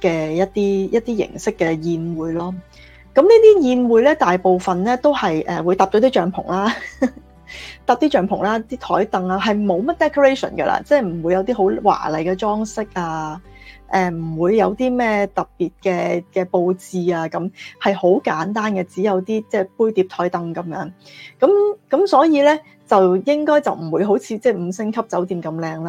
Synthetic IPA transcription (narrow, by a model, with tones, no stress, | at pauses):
kɛː˧jɐ˥t̚t̪iː˥jɐ˥t̚t̪iː˥jɪ̰˨˩ŋsɪ˥kːɛ˧jiː˧nwuː˨˧jlɔː˥ | kɐ˨˥mliː˥t̪iː˥jiː˧nwuː˨˧jlɛː˥t̪aː˨jpo˨wfɐ˨nlɛː˥t̪o˥whɐ˨jʔɛ̰ː˨wu˨˧jt̪aː˨p̚t͡ʃɔ˨˧˥t̪iː˥t͡ʃœː˨ŋpʰʊ˨˩ŋlaː˥ | t̪aː˨p̚t̪iː˥t͡ʃœː˨˧ŋpʰʊ˨˩ŋlaː˦˥t̪iː˥t̪ʰɔː˨˥jt̪ɐ˨ŋaː˧ɦɐ˨jmo˨˧wmɐ˥t̚t̪ɛː˥kʰo˧ɹe˥jsɔ̰˨˩nɡɐ̰˧lʔa̰ː˧t͡sɛː˥˩m̩˨˩wuː˨˧jɐ˧wt̪iː˥ɦo˨˥wwa̰ː˨˩lɐ˨˩jkɛː˧t͡sɔː˥ŋsɪ˥k̚aː˧ | ʔɛː˨˩m̩˨˩wuː˨˧jːɐ˨˧wt̪iː˥mɛː˥˩t̪ɐ˨˩p̚piː˨t̚kɛː˧kɛː˧po˧wt͡siː˨˧aː˧kɐ˨˥mhɐ˨jho˨˥wkaː˨˥nt̪aː˥nkɛ˧t͡siː˨˥jɐ˨˧wt̪iː˥t͡sɛː˥˩puː˥jt̪iː˨˧˥p̚t̪ʰɔː˨˥jt̪ɐ˨ŋkɐ˨˦mjœː˨˥ŋ | kɐ˨˥mkɐ˨˥msɔː˨˥jiː˨˧lɛː˥ | t͡sɐ˨wjɪ˥ŋkɔː˥jt͡sɐ˨wm̩˨˩wuː˨˧jɦo˨˥wt͡sʰiː˨˧t͡sɛː˥˩m̩˨˧sɪ˥ŋkʰɐ˥p̚t͡sɐ˨˥wt̪iː˨˧mkɐ˧mlɛː˧ŋlaː˥